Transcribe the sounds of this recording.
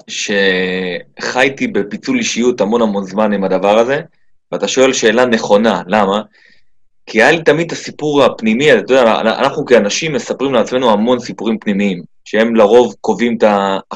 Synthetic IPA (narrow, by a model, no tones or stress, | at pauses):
ʃe̞ | χajtibe̞pit͡suliʃijut̪hamo̞namo̞nzmanimad̪avaʁaze̞ | veat̪aʃo̞e̞lʃe̞ːlane̞χo̞nalama | kʰiajalit̪amid̪̚t̪asipuʁapnimiat̪atod̪aa̰na̰naχnukeanaʃimːe̞sapʁimleat͡sme̞nuɦamo̞nsipuʁimpnimiim | ʃee̞mlaʁo̞vko̞vimt̪a